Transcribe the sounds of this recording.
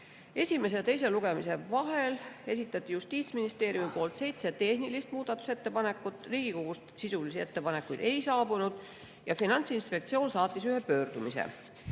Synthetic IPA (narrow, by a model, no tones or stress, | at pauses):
e̞sʲime̞s̬e̞t̪e̞js̬e̞luɡ̥e̞mise̞vɑɦe̞le̞sit̪ːˑɑt̪ʲːˑijust̪iːt̪sminist̪e̞ːɾjumipo̞ːlt̪se̞jt̪set̪e̞hnilist̪muːd̪̥ɑt̪ːˑu̥se̞t̪ːe̞pɑne̞kːˑut̪ːˑriːɡ̥iko̞ɡ̥ust̪sisulisie̞t̪ːe̞pɑne̞kːˑujd̪̥e̞jsɑːbunud̪̥ | jɑfinɑnt̪sinspe̞k̚t̪sio̞ːnsɑːt̪ːˑisyɦe̞pø̞ːrd̪̥umisḛ